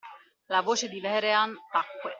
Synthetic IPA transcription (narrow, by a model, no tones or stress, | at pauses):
lavoːt͡ʃed̪ivɛɾeant̪akːwe